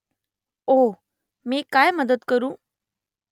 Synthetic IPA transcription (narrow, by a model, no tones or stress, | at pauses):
oː | mẽkaːeməd̪əd̪kəɾũː